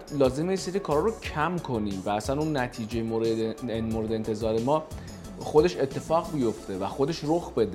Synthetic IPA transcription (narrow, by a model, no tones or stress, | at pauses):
lɒːzemejeseɾiːkʰɒːɾɒɾocʰæmkʰo̞niːmvææsænunːæt̪ʰiːd͡ʒejmomoɾed̪ent̪ʰe̞zɒːɾe̞mɒː | xod̪e̞ʃe̞t̪ʰːe̞fɒːɣbijo̞ft̪e̞væxo̞d̪e̞ʃɾoxbe̞d̪e